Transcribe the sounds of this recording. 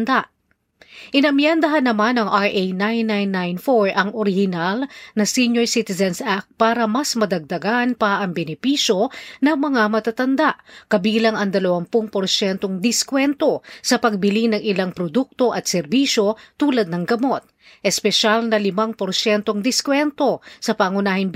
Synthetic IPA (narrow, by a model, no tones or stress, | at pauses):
nd̪aʔ | ʔɪnɐmjɛnd̪ɐɦɐnːɐmanɐŋʔajʔejnajnːajnːajnfoɹʔɐŋʔoɾɪhɪnalnɐsiɲojsit̪ɪzɛnsʔak̚t̪̚paːɾɐmɐsmɐd̪ɐɡ̚d̪ɐɡanpɐʔɐŋbɛnɪpiʃjo̞nɐŋmɐŋamɐt̪at̪ɐnd̪aʔkɐbiːlɐŋɐŋd̪ɐlɐwampʊŋpoɾʃɛnt̪o̞ŋd̪ɪskwɛnt̪o̞sɐpɐɡ̚bɪlinɐŋʔɪlaŋpɾod̪uk̚t̪o̞ʔɐt̪̚sɛɾbiʃjo̞t̪uːlɐd̪̚nɐŋɡɐmo̞t̪̚ | ʔɛspɛʃalnɐlɪmaŋpoɾʃɛnt̪o̞ŋd̪ɪskwɛnt̪o̞sɐpaŋʊnaːhɪn